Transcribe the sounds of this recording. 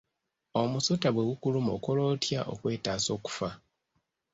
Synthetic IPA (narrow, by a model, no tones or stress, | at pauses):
o̞musutaβwe̞ɣukulumo̰kolo̞ːtjaʔo̞̰kwe̞ːtaːso̞ːku̥fa